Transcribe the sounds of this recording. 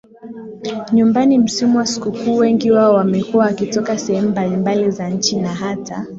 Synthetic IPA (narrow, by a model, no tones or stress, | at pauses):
ɲumbanim̩simuwasi̥kukuːwɛŋɡiwaɔwamɛkuwaakitɔkasɛhɛmumbalimbalizaɲt͡ʃinaɦata